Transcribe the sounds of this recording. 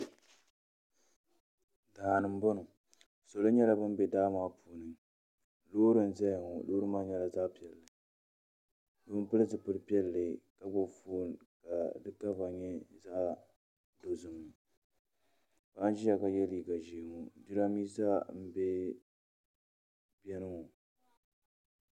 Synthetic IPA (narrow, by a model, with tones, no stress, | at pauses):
daː˨nɨ˨m̩˦bo˦nʊ˨ | so˨lo˦ɲɛ˦la˨bɨ˦mbɛ˨daː˦maː˦puː˨nɨ˨ŋ | loː˦ɾɨ˦n̩˦zɛ˦jŋɔ˨loː˦ɾɨ˦maː˦ɲɛ˦la˨zaː˦pi˨ɛ˨lːɨ˨ | do˦m˦pɨ˦lɨ˦zɨ˨pɨ˦ɾɨ˦pi˦ɛ˦lːɨ˨ka˦bo˨foː˦n˨ka˨dɨ˦ka˦va˨ɲɛ˦za˦ʔ | do˨zʊ˨m˨nɨ˨ | ba˨˦n˦d͡ʒi˦a˨ka˨jɛ˦liː˨ɡa˨ʒi˨ŋo˨di˦ɾa˦miː˦sa˦m̩˦bɛ˦ | bɛ˦nɨ˦ŋo˨